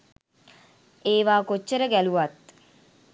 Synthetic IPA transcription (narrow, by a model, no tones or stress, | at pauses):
eːʋaːkot͡ʃːəɾəɡæluʋat̪